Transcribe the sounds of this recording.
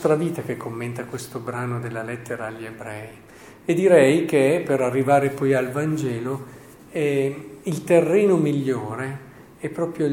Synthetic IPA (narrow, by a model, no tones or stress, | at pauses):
st̪ɾaviːt̪akekʰːomːent̪akwest̪obɾaːnod̪elːalɛt̪ːeɾaːʎːebɾɛːj | ed̪ːiɾɛjkepeɾarːivaːɾepɔjalvand͡ʒɛːlo | ɛilt̪erːeːnomiʎːoːɾe | ɛpːɾɔːpɾjo